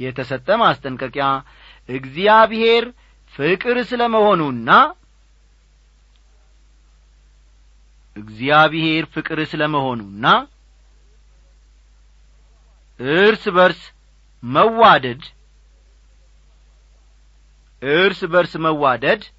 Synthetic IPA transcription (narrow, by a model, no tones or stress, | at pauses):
jɛt̪ʰəsət̪ʼːəmast̪ʼəŋkʼəkʼja | ʔɨɡzijaβhe̞ɾ | fɨkʼɨɾsɨləməho̞nunːa | ɨɡzijaβɨhe̞ɾfɨkʼɨɾɨsɨləməho̞nunːa | ʔɨɾsβəɾs | məwad̪əd̪ | ʔɨɾsbəɾsməwːad̪əd̪